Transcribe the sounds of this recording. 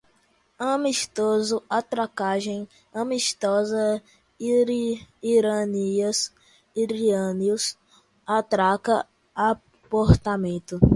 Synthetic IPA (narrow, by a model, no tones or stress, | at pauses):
ɐ̃miʃt̪ozʊat̪ɾakaʒẽj̃ | ɐ̃miʃt̪ɔzɐ | ɾiɾɐniɐs | iɾiɐ̃niʊs | at̪ɾakɐ | a | poɾt̪amẽt̪ʊ